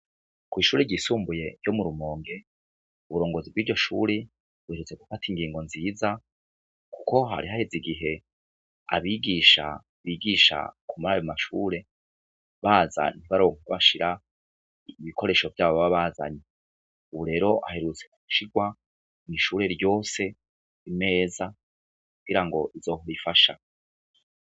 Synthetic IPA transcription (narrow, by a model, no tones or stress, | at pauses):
kwiːʃuːɾeɟiːsuːmbuje̞jo̞muɾumo̞ːŋɡe̞ | uβuɾo̞ːŋɡo̞zibɡiːɾɟo̞ʃṵɾe | βuheɾut͡se̞ɡufatiŋɡiːŋɡo̞nziːza | kuko̞ɦa̰ɾiɦaheziɡiɦe̞ | a̰βiɡiːʃa̰ | βiɡiʃa̰kumaɾajomaʃuɾe̞ | βaːza̰n̥iβaɾoŋukoβaʃiɾa | βikʰo̞ɾe̞ːʃo̞vjaːβoβaβaːza̰ɲe | uβuɾe̞ːɾo̞ʔa̰ɦe̞ɾut͡seku̥uʃiɡwa | niʃuːɾe̞ɾjo̞ːse̞ | ime̞ːza | kuɡiɾaŋɡo̞ʔizo̞ːhoɾifaʃa